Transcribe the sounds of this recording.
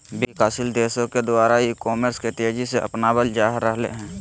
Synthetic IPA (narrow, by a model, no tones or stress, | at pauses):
bikaːsɪld̪eːʃõked̪ʊwaːɾaikɔːməɾskeʈ̪eːd͡ʒiseʔə̰pnabəld͡ʒaːɦɾəɦlḛɦɛ̃ː